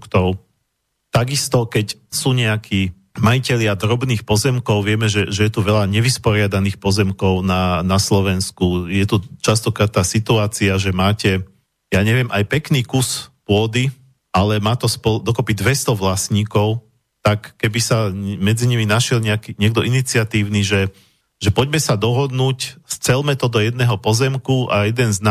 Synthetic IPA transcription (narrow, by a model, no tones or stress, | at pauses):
ukt̪ɔʊ | t̪aɡist̪ɔkɛcsuːɲɛakʰiː | majicɛʎɪad̪ɾɔbniːxpɔzɛmkɔʊʋɪɛmɛʒɛʒɛjɛt̪uʋɛʎaɲɛʋispɔɾɪad̪aniːxpɔzɛmkɔʊnanaslɔʋɛnskujɛt̪ut͡ʃast̪ɔkɾaːt̪t̪ːaːsit̪uaːt͡siaʒɛmaːcɛ | jaːɲɛʋɪɛmʔajpɛkniːkuspʊɔd̪i | ʔalɛmaːt̪ɔspɔld̪ɔkɔpid̪ʋɛst̪ɔʋlasɲiːkɔʊ | t̪akːɛbisamɛd͡ziɲiminaʃjɛlɲɛakiɲɛɡ̚d̪ɔʔinit͡siat̪iːʊniʒɛ | ʒɛpɔɟmɛsad̪ɔɦɔd̪nuːcst͡sɛlmɛt̪ɔd̪ɔjɛd̪nɛːɦɔpɔzɛmkuʔajɛd̪ɛnzna